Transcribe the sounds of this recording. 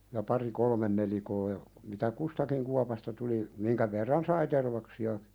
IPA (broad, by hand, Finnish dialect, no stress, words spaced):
jɑ pɑri kolmen nelikoː jɑ mitæ kustɑkiŋ kuɑpɑstɑ tuli miŋkæ ʋerːɑn sɑi terʋɑksiɑki̥